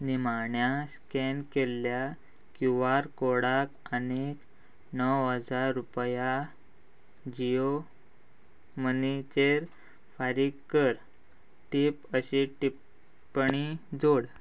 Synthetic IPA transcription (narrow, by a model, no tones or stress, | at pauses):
nimaɳjaskɛnkelːja | kuʋaɾkoɽakənek | nəwɦəd͡zaɾːupja | d͡ʑijo | mənit͡ɕeɾ | faɾiɡkːəɾ | ʈipəɕiʈi | pɳid͡zoɽ